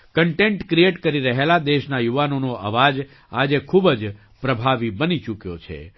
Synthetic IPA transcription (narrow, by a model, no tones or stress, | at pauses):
kəɳʈẽɳʈkɾieʈkəɾiɾəɦelad̪eʃnajuʋanonoʔə̰ʋad͡ʒ | ad͡ʒekʰubəd͡ʒ | pɾəbʱaʋibənit͡ʃukjot͡ʃʰḛ